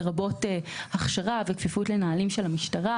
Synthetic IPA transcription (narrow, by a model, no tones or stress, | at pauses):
ʁabo̞tehaχʃaʁavekfifutle̞naalimʃe̞lamiʃtaʁa